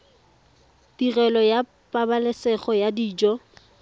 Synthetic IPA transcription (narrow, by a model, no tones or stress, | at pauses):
tirɛlɔja | pʼabalɛsɛχɔjadiːd͡ʒɔ